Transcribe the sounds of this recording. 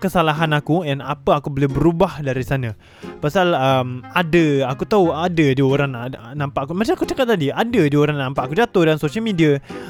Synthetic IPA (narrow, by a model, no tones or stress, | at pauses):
kəsalaɦanakujanapəakubəlebəɾubahdaɾisanã | pasaləmadəakut̪auadadioɾaŋnampaʔkumat͡ʃaŋakut͡ʃakat̪̚ːadiadadioɾaŋnampaʔakud͡ʒat̪ʊhdansosialmidia